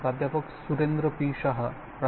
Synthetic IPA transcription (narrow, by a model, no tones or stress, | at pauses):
pɾaːd̪ʱjapɐksuɾend̪ɾɐpiːʃɐɦɐ̆ | pɾɐ